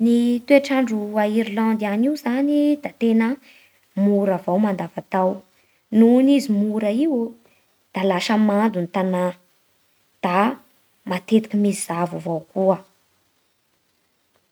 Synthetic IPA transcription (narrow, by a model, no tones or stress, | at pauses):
nit̪eaʈ͡ʂaɳɖ͡ʐuaiɾlɑ̃nd̪ianiwzanid̪at̪enə | muɾavawmand̪avat̪aw | nunizimuɾəiwo | d̪̥alaʃəmand̪unit̪ana | d̪̥a | mat̪et̪i̥kimizizavuvawkuə